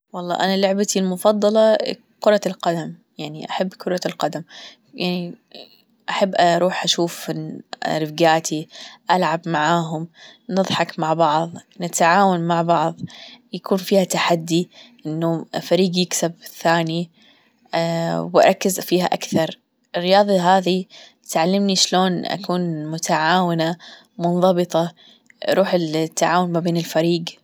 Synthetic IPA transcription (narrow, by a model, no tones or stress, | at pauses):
wɑlˤːɑ̰ːʔanalʊʕbat̪ilmʊfɑd̪ˤːɑlɑ | kʊɾˤɑlqad̪amjaʕniʔaħabːkʊɾˤɑlqɑd̪am | jaʕni | ʔaħabːʔaɾˤuːħʔaʃuːf | ɾɪfɡaːt̪ʰiʔalʕabmaʕaːɦʊmnɨðˤħɑkmaʕbɑʕðˤnɪt̪aʕaːwanmaʕbɑʕðˤjakuːnfiːhat̪aħad̪ːiʔɪnːufaɾiːɡjɪksabθaːni | wʔɑ̰ɾˤɑkːɪzfiːha̰ʔakθɑɾˤ | ɪrːɪjɑːðˤɑɦaːði | t̪ʕalːamniʃloːnʔa̰kuːnmʊt̪aʕaːwɪna | mʊnðˤɑbɨt̪ˤɑ | ʔɾˤuːħɪlt̪ːaʕaːwʊnmabeːnɪlfaɾiːɡ